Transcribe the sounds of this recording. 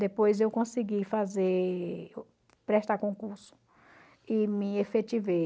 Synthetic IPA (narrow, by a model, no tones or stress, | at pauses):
d̪epojzewkõsiɡifaze | pɾɛʃt̪akõkuɾsʊ̥ | ɪmɪefet͡ʃive